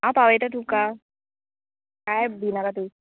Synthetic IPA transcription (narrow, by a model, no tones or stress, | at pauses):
aːpaʋet̪at̪ʰupka | kaɛbʱinakat̪u